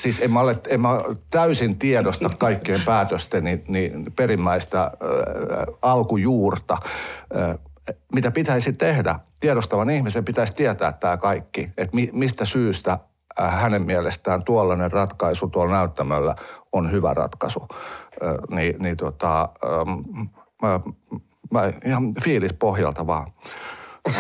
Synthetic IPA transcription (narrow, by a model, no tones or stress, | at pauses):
siːsemːæolet̪emmæt̪æysint̪iɛdost̪ɑkkɑikːieːmpæːt̪øst̪eniniperimːæist̪æ | ɑlkujuːrt̪ɑ | mit̪æpit̪æisit̪ehdæ̰t̪iɛɾost̪ɑʋɑnihmisempit̪æist̪iɛt̪æ̰ːt̪tæːkɑikːiet̪mimist̪æsyːst̪æ | hænemmiælest̪æːnt̪uolːɑnerɑt̪kɑisut̪uɑlnæyt̪ːæmælːæ̰onhyʋæ̰rɑ̰t̪kɑsu | ninit̪uot̪ɑ | mæihɑfiːlispohjɑ̰lt̪ɑʋɑ̰ː